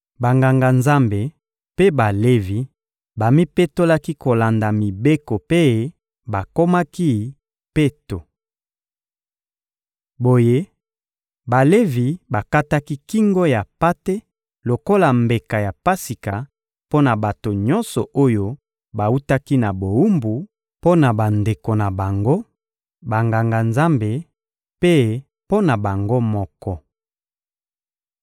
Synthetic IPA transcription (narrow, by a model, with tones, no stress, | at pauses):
ba˨ŋɡa˨ŋɡa˨nza˦mbe˨ | pe˦ba˨le˦vi˨ | ba˨mi˦pe˦to˦la˦ki˦ko˨la˨nda˨mi˨be˦ko˨pe˦˨ | ba˨ko˦ma˦ki˦ | pe˦to˨ | bo˨je˦ | ba˨le˦vi˨ba˨ka˦ta˦ki˦ki˦ŋɡo˦ja˨pa˦te˦ | lo˨ko˦la˨mbe˨ka˨ja˨pa˦si˨ka˨ | po˦na˨ba˨to˨ɲɔ˦nsɔ˨o˦jo˦ | ba˨u˦ta˦ki˦na˨bo˨u˦mbu˨ | po˦na˨ba˨nde˨ko˨na˨ba˨ŋɡo˦ | ba˨ŋɡa˨ŋɡa˨nza˦mbe˨ | pe˦ | po˦na˨ba˨ŋɡo˦mɔ˦kɔ˦